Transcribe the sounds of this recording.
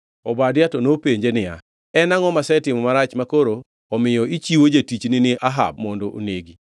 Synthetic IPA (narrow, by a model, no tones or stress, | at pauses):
ɔbadjatɔnopeɲd͡ʒenɪja̰ | ɛnaŋɔmasɛtɪmɔmaɾat͡ʃmakoɾoː | mɪjɔit͡ʃiwod͡ʒatit͡ʃnɪnɪʔaɦa̰b̚mɔndoʔo̰neɡi